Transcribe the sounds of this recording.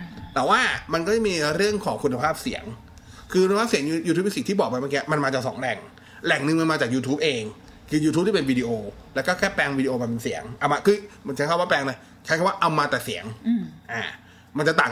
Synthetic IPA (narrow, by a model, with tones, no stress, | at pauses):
t̪ɛː˨˩˦waː˥˩ma˧nkɔː˥˩t͡ɕa˨˩miː˧ɾɯ˥˩əŋkʰɔː˩˦ŋkʰu˧nːa˧pʰaː˥˩p̚sḭ˨˩˦əŋ | kʰɯ˧ku˧nʰ˧aː˥˩si˩˦ŋ˧juː˧t̪ʰu˦˥p̚ji˧si˨˩t̪ʰiː˥˩bɔː˨˩k̚pa˧jmaː˧˦˥kiː˧ʔa˧˩ma˧nmaː˧t͡ɕaː˨˩ksɔ̰˩˦ŋlɛ˨˩ŋ | lɛ˨˩ŋnɯ˧ŋma˧nmaː˧t͡ɕaː˨˩k̚juː˧t̪ʰuː˦˥p̚ʔeː˧ŋ | kʰɯː˧juː˧t̪ʰu˦˥p̚t̪ʰiː˥pe˧nwiː˧di˧ʔoː˧lɛ˦˥kɔː˥˩kʰɛː˥˩pɛː˧ŋwiː˧di˧ʔoː˧ma˧npe˧nsḭ˨˩˦əŋʔa˧˩wma˧˩kʰɯː˧m˨˩˦nt͡ɕʰkʰa˥˩waː˥˩plɛː˧ŋna˦˥ | kʰa˦˥kʰːwaː˥˩ʔa˧wmaː˧t̪ɛː˨˩si˨˩˦ŋʔaː˨˩ | ma˧nt͡ɕa˨˩t̪aː˨˩